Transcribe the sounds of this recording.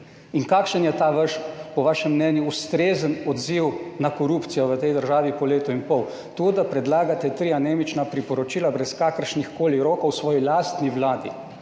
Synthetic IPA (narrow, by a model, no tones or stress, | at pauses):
iŋkaːkʃənjɛt̪aʋəʃpɔʋaːʃɛmːnɛːnjuust̪ɾeːzənɔd̪ziwnakɔɾuːpt̪sijɔʋət̪ɛjd̪əɾʒaːʋipɔleːt̪ɔinpɔw | t̪ud̪apɾɛd̪laːɡat̪ɛt̪ɾiːjaneːmit͡ʃnapɾipɔɾɔt͡ʃiːlabɾɛskakəɾʃnixkoːliɾoːkowsʋɔːjilaːst̪niʋlaːd̪ḭ